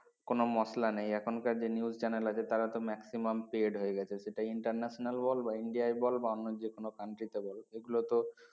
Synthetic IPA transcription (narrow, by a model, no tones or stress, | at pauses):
konomɔslanejɛkʰonkaɾd͡ʑeniuzt͡ɕɛnelat͡ɕʰet̪aɾat̪omɛksimampeɖɦoeɡɛt͡ɕʰeʃeʈajiɳʈaɾnɛʃonalbɔlbaiɳɖiaebɔlbaɔnːod͡ʑekonokaɳʈɾit̪ebɔleɡulot̪o